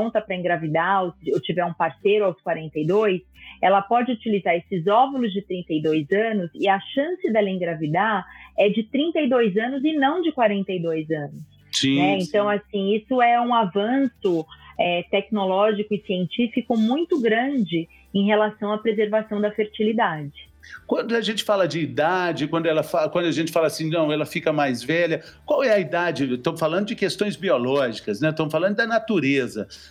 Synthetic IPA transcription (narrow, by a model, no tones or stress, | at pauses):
ñt̪ɐpɾɐẽɡɾavid̪aosɪewt͡ʃivɛɾũpaɾsejɾʊawskwaɾẽnt̪ɐjd̪ojsɛlɐpɔd͡ʒɪut͡ʃilizaɾesɪzɔvulʊzd͡ʒɪt̪ɾĩnt̪ɐjd̪ojzɐ̃nʊzɪɐʃɐ̃sɪd̪ɛlɐẽɡɾavid̪aɛd͡ʒɪt̪ɾĩnt̪ɐid̪ojzɐ̃nʊzɪnɐ̃w̃d͡ʒɪkwaɾẽnt̪ɐjd̪ojzɐ̃nʊs | snɛẽnt̪ɐ̃w̃asĩisʊɛũavɐ̃sʊɛt̪ɛknolɔʒikʊɪsiẽnt͡ʃifikʊmũj̃t̪ʊɡɾɐ̃d͡ʒɪ | ẽj̃ɦelasɐ̃w̃ɐpɾezeɾvasɐ̃w̃d̪ɐfeɾt͡ʃilid̪ad͡ʒɪ | kwɐ̃nd̪ʊaʒẽnt͡ʃɪ̥falɐd͡ʒɪːd̪ad͡ʒɪkwɐ̃nd̪ʊɛlɐfakwɐ̃nd̪ʊɐʒẽnt͡ʃɪ̥falasĩnɐ̃w̃ɛlɐfikɐmajzvɛʎɐkwawɛɐid̪ad͡ʒɪt̪ɐ̃w̃falɐ̃nd̪ʊd͡ʒɪkest̪õj̃zbiolɔʒikɐsnɛt̪ɐ̃mʊfalɐ̃nd̪ʊd̪ɐnat̪uɾezɐ